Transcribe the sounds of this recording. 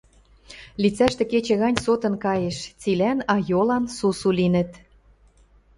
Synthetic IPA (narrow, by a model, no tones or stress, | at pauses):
lit͡sæʃt̪ĕket͡ɕĕɣɑnʲsot̪ə̆nkɑjeʃt͡silænɑjolɑnsusulinə̆t̪